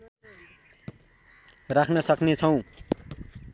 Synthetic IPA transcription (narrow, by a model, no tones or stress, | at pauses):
rakʰnʌsʌknet͡sʰʌw̃